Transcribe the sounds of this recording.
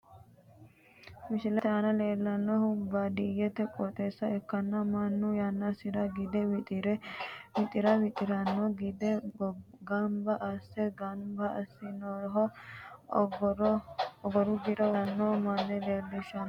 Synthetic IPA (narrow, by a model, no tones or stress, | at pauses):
mɪʃɪlɛanɐleːlːɐnːɔhʊmbad̪ijɛt̪ːɛkʼɔt̪ʼeːsːɐɛkːɐnːɐmɐnːʊjanːɐsɪɾɐɡɪd̪ɛwɪt̪ʼɪɾɛwɪt̪ʼɪɾɐwɪt̪ʼɪɾɐnːɔɡɪd̪ɛ | ɡɐmbɐʔɐsːɛɡɐbɐɐsːɪnɔɦɔ | ɾɔɡɔɾʊɡɪɾɔwɐnːɔmɐnːɛleːlːɪʃɐn